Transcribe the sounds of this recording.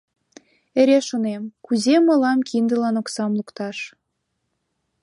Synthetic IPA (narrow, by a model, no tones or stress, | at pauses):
eɾʲeʃonemkuzemə̆lɑmkind̪ə̆lɑnoksɑmlukt̪ɑʃ